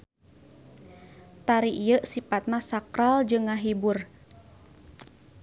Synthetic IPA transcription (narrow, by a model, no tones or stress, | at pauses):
t̪aɾiʔijəʔsipat̪̚nasakɾald͡ʒɨŋːaɦibʊr